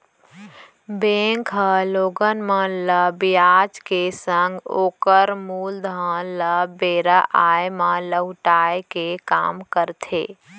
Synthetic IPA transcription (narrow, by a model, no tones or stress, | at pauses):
bẽŋkʰɦəloːɡənmələbijad͡ʒkesəŋɡoːkəɾmuld̪ʱə̃ləbeːɾaʔaːjmələʈajkeka̰ːmkəɾt̪ʰḛː